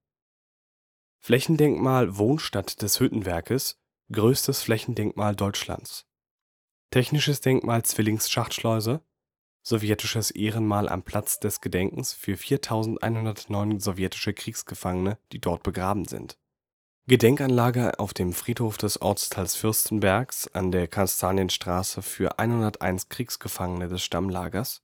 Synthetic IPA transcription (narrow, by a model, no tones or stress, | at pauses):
flɛçn̩dɛŋkmaːlvoːnʃtatd̥ɛshʏtn̩vɛɐkəs | ɡ̥ʁøːstəsflɛçn̩dɛŋkmaːldɔʏt͡ʃla̰nt͡s | tʰɛçnɪʃəsd̥ɛŋkmʔaːlt͡sv̥ɪlɪŋsʃaχtʃlɔʏzɐ | z̥ovjɛtɪʃəsʔeːʁənmaːlʔa̰mpʰl̥at͡sd̥ɛsɡ̥ədɛŋkŋ̩sfyːɐfiːɐtʰaʊzn̩tʔa̰ɪnhʊndɐtnɔʏnzovjɛtɪ̥ʃəkʁ̥iːksɡ̥əfaŋənəd̥iːdɔɐt̚b̥əɡʁaːbm̩zɪ̰nt | ɡ̥ədɛŋkanlaːɡɐʔa̰ʊfd̥eːmfʁ̥iːthoːfd̥ɛsʔɔ̰ɐt͡stʰalsfʏɐstn̩bɛɐksʔa̰ndeːɐkʰanstʰaːnjənʃtʁ̥aːsəfyːɐʔa̰ɪnhʊndɐtʔa̰ɪnskʁ̥iːksɡ̥əfaŋənədɛsʃtamlaːɡɐs